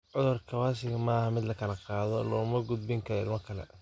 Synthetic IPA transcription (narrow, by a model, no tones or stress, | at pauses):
ʕʊðʊrkʰɐwaːsɪɣɐmɐːhɐmɪd̪lɐkʰɐlɐqɑːðɔlɔːmɐɡʊd̪bɪŋkʰɐɾɪlmɐkʰɐlɛ̰